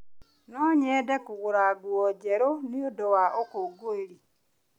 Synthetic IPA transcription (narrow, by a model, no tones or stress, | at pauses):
nɔɲɛːdekuɣuɾaɡwɔɟeɾoniodowaokoɡoeɾi